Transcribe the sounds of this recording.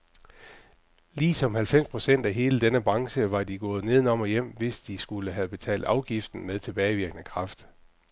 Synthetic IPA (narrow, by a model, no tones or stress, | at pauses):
liːsɒ̽mhælfem̰spʰʁo̝sen̰d̥æɦe̝ːləd̥enəb̥ʁɑ̈ŋɕəʋɑ̈diɡ̥ɔ̽ːð̩ˠne̝ð̞ˠn̩ɒ̽mɒjem̰ʋe̝sd̥isɡ̥uləɦæb̥e̝t͡sʰɛ̰ːld̥ɑ̈ʊɡ̥ifd̥n̩meðˠt͡sʰe̝b̥ɛːɪʋiɐɡ̥ənəkʰʁɑ̈fd̥